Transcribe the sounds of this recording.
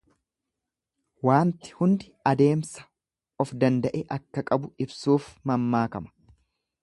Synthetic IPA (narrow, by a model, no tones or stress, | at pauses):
waːnt̪ɪ̥hʊnd̪ɪɐd̪e̞ːmsɐ̥ | ɔfd̪ɐnd̪ɐʔɛʔɐkːɐkʼɐbʊɪbsuːfmɐmːaːkɐmɐ̥